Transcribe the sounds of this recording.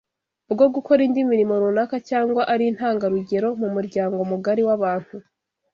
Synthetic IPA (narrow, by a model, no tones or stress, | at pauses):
bɡo̞ɡuko̞ɾindiminimoɾunakacaːŋɡwaʔaɾin̥haːŋɡaɾuɟe̞ɾo̞mumuɾɟaːŋɡo̞muɡaɾiwaβaːn̥hu